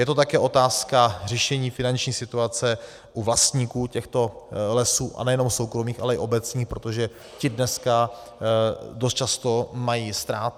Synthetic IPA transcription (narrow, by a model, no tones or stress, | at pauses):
jɛt̪ot̪akɛːʔo̞t̪aːskar̝ɛʃɛɲiːfɪnant͡ʃɲiːsɪt̪uat͡sɛ | ʔuvlast̪ɲiːkuːcɛxt̪o̞lɛsuːʔa̰nɛjɛno̞msowkɾo̞miːxʔa̰lɛɪ̰ʔo̞bɛt͡sɲiːxpɾo̞t̪oʒɛ | cɪdnɛska | dost̪̚t͡ʃast̪o̞majiːst̪ɾaːt̪̚